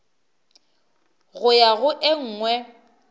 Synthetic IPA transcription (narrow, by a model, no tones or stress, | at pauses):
ɣʊjaɣʊʔɪŋ̩ːŋwɛ